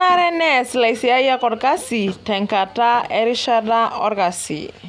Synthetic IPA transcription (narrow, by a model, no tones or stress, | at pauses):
aɾɛnɛslajsiajakɔrkasitɛŋkataɛɾiʃardaɔrkasḭ